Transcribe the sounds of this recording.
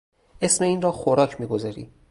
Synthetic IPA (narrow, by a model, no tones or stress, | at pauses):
ʔe̞sme̞iːnrɒːxoɾɒːcʰmiːɡo̞zɒːɾḭː